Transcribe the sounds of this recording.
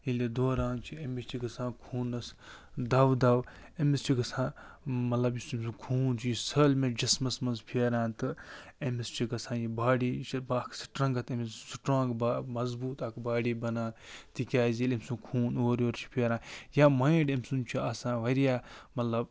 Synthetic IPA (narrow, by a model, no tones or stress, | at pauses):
ilid̪oːɾãːnt͡ʃʰiemist͡ʃʰiɡɐsãːkʰuːnɐsd̪ɐʋd̪ɐwemist͡ʃʰiɡɐsãːmɐt̪lɐbjisimʲs̬ũkʰuːnt͡ʃʰijisəlmed͡ʒɐsmɐsmɐnzpʰeːɾãːnt̪ɨemist͡ʃʰiɡɐsãːjibaːɽiːt͡ʃʰibaːkʰsi̥ʈɾɐ̃ŋɡɐt̪emissuʈɾãːɡbamɐzbuːt̪ɐkbaːɽiːbɐnãːt̪ikʲaːzilemʲsũkʰuːnoːɾʲoːɾt͡ʃʰi̥pʰeːɾãːjaːmɐ̃iɖemʲsunt͡ʃʰiɐsãːʋɐɾijaːmɐt̪lɐb̚